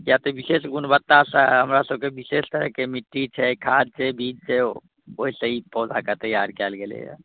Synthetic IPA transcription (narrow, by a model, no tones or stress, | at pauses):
kjat̪obisesɡunbət̪ːasəɦəmɾasəb̚kebisest̪əɾəɦkemiʈːit͡ʃʰɛkʰad̪̚t͡ʃʰɛbʱid͡ʒt͡ʃʰɛ | oɦisə̃ipɔːd͡ʒakət̪əjaɾkɛlɡelḛj̰